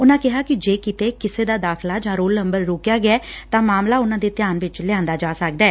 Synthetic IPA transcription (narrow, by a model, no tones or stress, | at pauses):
ʊnãːkɪɦaːkɪd͡ʒeːkɪt̪eːkɪseːd̪aːd̪aːkʰlaːd͡ʒãːɾoːlnə̃mbəɾːoːkjaːɡɪjaːt̪ãːmaːmlaːʊnãːd̪eːt̪ɪjaːnʋɪt͡ʃlɪjãːnd̪aːd͡ʒaːsək̚d̪aɛː